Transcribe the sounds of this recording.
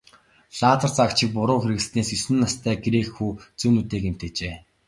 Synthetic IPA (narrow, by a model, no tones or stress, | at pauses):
ɮaːt̪ə̆rt͡sakt͡ɕʰɪ̆k̚pʊɾʊːxeɾɘ̆ɣ̆ɮt̪neːsɵsɘ̆nːast̪ʰæːɡeɾeːxxːuːt͡suːnut̪eːkem̥t̪eːt͡ɕeː